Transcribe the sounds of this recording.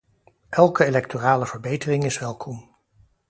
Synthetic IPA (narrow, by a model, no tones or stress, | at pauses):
ʔɛlˠkəelɛktoraːləv̥əɹbejtərɪŋɪsʋɛlˠkʰɔm